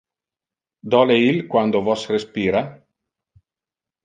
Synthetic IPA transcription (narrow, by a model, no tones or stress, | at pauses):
d̪ɔːleilkwand̪ovɔsrespiːɾa